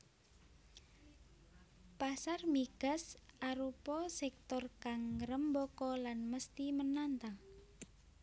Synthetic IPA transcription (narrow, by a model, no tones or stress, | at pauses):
pasarmiɡ̥ə̤saɾupɔsɛk̚t̪ɔrkaŋːəɾəmbokɔlanməst̪imənant̪aŋ